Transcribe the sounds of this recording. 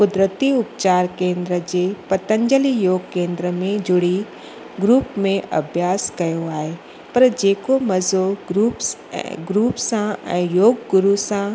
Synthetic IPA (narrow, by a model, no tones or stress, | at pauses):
pʊd̪ɾət̪iʊpt͡ʃaːɾkẽːnd̪ɾəd͡ʒepɐt̪ə̃ɲd͡ʒəlijoːɡkẽːnd̪ɾəmẽd͡ʒʊɽi | ɡɾuːpmẽʔɐ̰bʱjaːskɐjoaːe | pɐɾd͡ʒeːkomɐzoɡɾupɡɾuːpsãɛ̰̃ːjoːɡɡʊɾusã